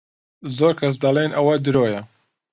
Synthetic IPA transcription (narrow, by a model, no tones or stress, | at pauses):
zoːɾkʰɐs̬d̪ɐlenʔɐwɐd̪ɨɾoːjɐ